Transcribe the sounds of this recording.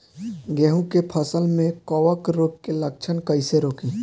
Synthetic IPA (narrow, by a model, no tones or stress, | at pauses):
ɡɛːɦũkepʰəsəlmẽkɔːʋəkɾoːp̚kelək̚t͡ʃʰənkɐiseɾoːkĩː